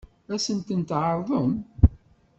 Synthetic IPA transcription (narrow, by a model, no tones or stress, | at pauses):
æsənt̪ənt̪ʕəɾˤðˤəm